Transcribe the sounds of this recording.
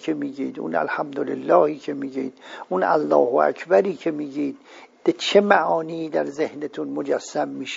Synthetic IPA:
kʰemiːɡḭːd̪ṵnæ̰lhæmd̪olelːɒːhiːcʰe̞miːɡiːd̪̥ʔunæ̰lːɒ̰ːhoæ̰kʰbæɾiːkʰemiːɡiːd̪̥̚b̥et͡ʃʰemæʔɒːniːd̪æɾzehnet̪ʰunmod͡ʒæsːæmːiːʃe

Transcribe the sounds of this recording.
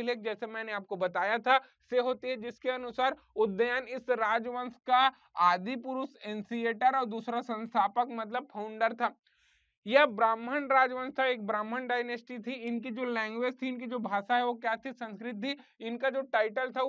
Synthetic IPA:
leːk̚d͡ʒɛːsemɛ̃ːneaːp̚kobɐt̪aːjat̪ʰa | seɦoːt̪iɦɛd͡ʒɪskeɐnʊsaːɾ | ʊd̪ːəjanɪsɾaːd͡ʒʋə̃nska | aːd̪ʱipʊɾʊsẽːnsieːʈəɾɔːɾd̪uːsɾasɐ̃nst̪ʰaːpəkmɐt̪ləb̚pʰaːʊ̃ɳɖəɾt̪ʰaː | jɐbɾaːmɦənɾaːd͡ʒʋə̃nst̪ʰaeːk̚bɾaːmɦəɳɖaːɪnesʈit̪ʰiɪnk̬id͡ʒoːlɛ̃ːŋɡʋeːd͡ʒt̪ʰiɪnk̬id͡ʒoːbʱaːʃaɦɛʋokjaːt̪ʰisɐ̃nskɾɪt̪̚t̪ʰiɪnkad͡ʒoːʈaːɪʈəlt̪ʰa

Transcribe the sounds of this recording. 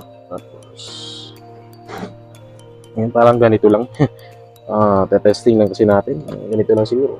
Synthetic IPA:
at̪u | s | ŋant̪alaŋɡanit̪ulaŋ | ət̪ɛt̪ɛst̪ɪŋdaŋkəsinaat̪ɪn̰ɡanit̪ulaŋsiɾu

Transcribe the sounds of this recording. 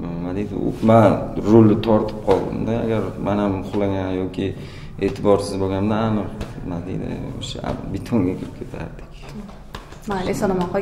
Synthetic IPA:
mad̪ejd̪ɪ̰ʊ̰manɾolːɪt̪ʰɒɾt̪ʰɪ̥p̚qʰɒlˠd̪ɪ̰md̪aaɡʲaɾmanamʊχlˠaɡʲanjɒkʲʰɪ | eːt̪ʰɪbɒɾsɪzboɡʲamd̪aanɨqmad̪ejd̪ɪ̰o̰ʃa̰bɪt̪ʰoŋɡʲakʲʰɪɾɪp̚kʲʰe̞t̪ʰa̰ɾd̪ɪ̥kʲ | aesɒnamaqɒ

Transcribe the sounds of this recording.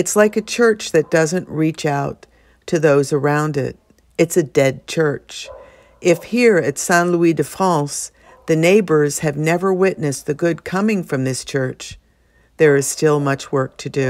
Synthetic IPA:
ɨtslaɪkɨt͡ʃʰɜ˞t͡ʃðɨt̚d̥ʌzɨ̃nʔɹit͡ʃaʊtʰ | ɨðoʊzə˞ãʊ̃ndɪ̰ɾ̚ | ɨtsɨdɛd̚t͡ʃʰɜ˞t͡ʃ | ʔɪfhiɹɨtsæ̃nluidɨfɑ̃s | ðɨneɪbə˞z̥ɨvnɛvə˞wɪʔⁿnɨsðɨɡʊd̚kʰʌmɪ̃ŋfɹʌ̃mðɪst͡ʃʰɜ˞t͡ʃ | ðə˞ɨz̥stɪlˠmʌt͡ʃwɜ˞k̚tʰɨdʉ

